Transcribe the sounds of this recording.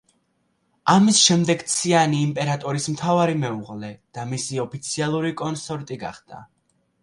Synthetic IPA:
amisʃɛmd̪ɛɡt̪sʰianiːmpʼɛɾat̪ʼɔɾismt̪ʰavaɾimɛuʁlɛd̪̥amisiɔpʰit̪sʰialˠuɾikʼɔnsɔɾt̪ʼiɡa̰χd̪̥a̰

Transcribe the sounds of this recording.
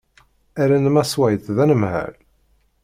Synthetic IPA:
æɾænmæswæjθðænəmhæ̰l

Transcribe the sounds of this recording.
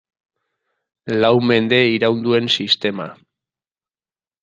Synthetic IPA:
lawme̞nd̪e̞iɾawnd̪ue̞nsist̪e̞ma̰

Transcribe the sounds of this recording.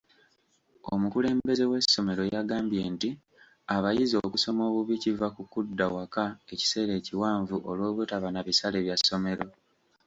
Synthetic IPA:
omukule̞ːmbe̞ze̞we̞sːo̞me̞ɾo̞jaɡaːmbje̞ːnti | aβajizo̞kuso̞mo̞ːβuβicivakukudːawakae̞ci̥se̞ːɾe̞ːciwaːɱvuʔo̞lwo̞ːβutaβanaβisale̞βjasːo̞me̞ɾo̞

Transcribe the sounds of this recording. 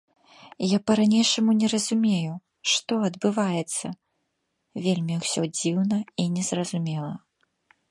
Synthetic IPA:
japɐɾanʲejʂɐmunʲɛɾɐzumʲeju | ʂt̪ɔɐd̪bɨvajɛt̪sːɐ | vʲelʲmʲiwsʲɔd͡zʲiwnɐinʲɛzrɐzumʲɛlˠɐ

